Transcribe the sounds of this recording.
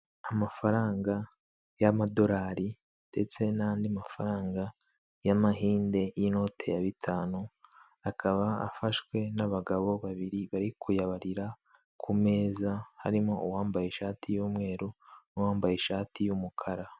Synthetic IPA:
amafaɾaːŋɡa | jamado̞ɾaːɾi | d̥e̞t͡se̞naːndiamafaɾaːŋɡa | jamaɦiːnde̞jino̞ːtʰe̞̰jaβitʰaːnu | akʰaβaa̰faʃkwe̞naβaɡaβo̞βaβiɾiβaɾikʰujaβaɾiɾa | kʰume̞ːzaha̰ɾimo̞uwaːmbajeʃaːtʰijuːmŋe̞ːɾunuwaːmbajeʃaːtʰijumukʰaɾa

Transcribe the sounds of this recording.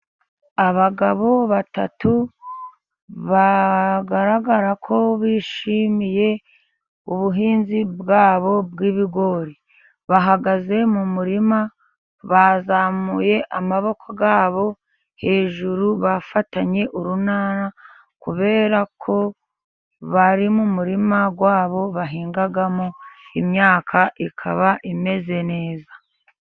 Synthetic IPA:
aβaɡaβo̞βata̰tu | βaɡaɾaɡaɾakʰo̞βiːʃimije̞ | uβuɦiːnzibɡaːβo̞b̚ɡiːβiɡo̞ɾi | βaɦaɡaze̞mumuɾima | βazamuje̞ʔamaβo̞kʰoɡaːβo̞ | he̞ːʒuɾuβafataɲe̞ʔuɾunaːna | kuβe̞ːɾakʰo̞ | βaɾimumuɾimaɡwaːβo̞βaɦiːŋɡaɡamoimɲaːkʰaʔikʰa̰βaʔime̞ze̞ne̞ːzḁ

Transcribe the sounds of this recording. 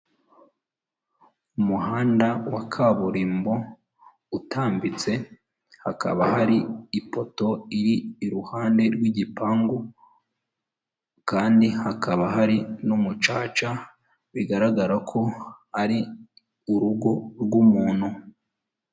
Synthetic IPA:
umuhaːndawakʰaβuɾiːmbo̞ | utʰaːmbit͡se̞ | hakʰa̰βahaɾiipo̞to̞iɾiːɾuhaːnde̞ɾɡwiɟipaŋɡo | kaːndihakʰaβaɦaɾinumut͡ʃaːt͡ʃa | βiɡaɾaɡaɾakʰo̞haɾi | uɾuɡo̞ɾɡwumuːnhu

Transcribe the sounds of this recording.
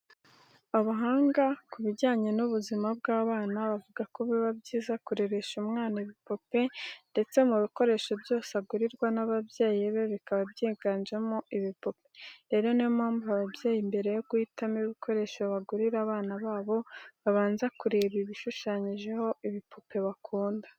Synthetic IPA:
aβuɦaːŋɡakuβiɟaːɲe̞nuβuzimab̚ɡaːβaːnaβavuɡakoβiβabɟiːzakuɾe̞βe̞ʃumŋaːnaiβipo̞pe̞nde̞t͡se̞muβiko̞ɾe̞ːʃo̞bjo̞ːseaɡuɾiɾɡwanaβabje̞ːjiβe̞βikaβabjeːɡaːɲd͡ʒemoʔiβipo̞pe̥ɾe̞ɾo̞nemaːmbaβabjeːjimbe̞ɾe̞joɡuiːtamiβikʰo̞ɾe̞ːʃoβaɡuɾiɾaβaːnaβaːβo̞βaβaːnzakuɾeβiβiʃuʃaːɲiʒe̞ho̞iβipʰope̞βakʰuːndḁ

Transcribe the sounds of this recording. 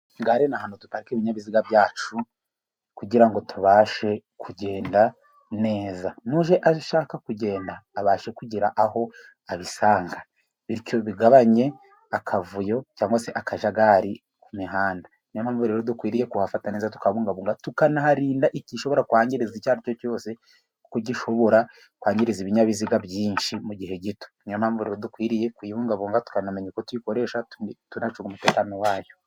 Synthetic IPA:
ŋɡaɾenahanotutaɾikeːβiɲaβiziɡabjaːt͡ʃu | kuɟiɾaŋɡo̞tuβaːʃe̞kʰuɟe̞ːnda | ne̞ːzanuːʒeʔaʃaːkakuɟe̞ːndaːβaːʃekuɟiɾaʔaho̞ | aβisaːŋɡa | βiɾco̞βiɡaβaɲe̞ | akʰavujo̞caːŋɡwaseʔakaʒaɡaɾi | kumiɦaːnda | namhaːɱvuɾeɾodukwiːɾije̞kuhafatanizatu̥kaβuːŋɡaβuːŋɡatukanahaɾiːndaʔiciʃo̞βo̞ɾakuaːɲɟiɾizicaːɾicoco̞ːse̞ | koɟiʃo̞βo̞ɾa | kwaːɲɟiɾiziβiɲaβiziɡabjiːnʃimuɟiɦe̞ɟito̥njamhaːɱvuɾeɾodukwiːɾije̞kwiːβuːŋɡaβuːŋɡatu̥kanameɲekotwiko̞ɾe̞ːʃatunat͡ʃuɡumuteːkanowaːjo̞

